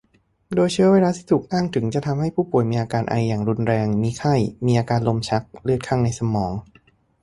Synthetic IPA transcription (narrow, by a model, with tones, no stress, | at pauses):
doː˧jt͡ɕʰɯ˦˥ɐweː˧laː˧t̪ʰiː˥˩t̪ʰːk̚ʔaː˥˩ŋt̪ʰɯ˩˦ŋt͡ɕa˨˩t̪ʰa˧mha˥˩jpʰuː˥˩pu˨˩əjmiː˧ʔaː˧kaː˧nʔa̰˧jːaː˨˩ŋɾu˧nɾɛː˧ŋmiː˧kʰa˥˩jmiː˧ʔaː˧kaː˧nlo˧mt͡ɕʰa˦˥k̚lɯ˥˩ət̪̚kʰa˥˩ŋna˧jsa˧mɔː˩˦ŋ